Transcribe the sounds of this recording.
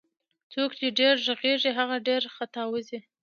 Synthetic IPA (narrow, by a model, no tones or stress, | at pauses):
t͡sokt͡ʃeɖeɾʒəɣeʐiɦaɣaɖeɾxat̪ɑwəzi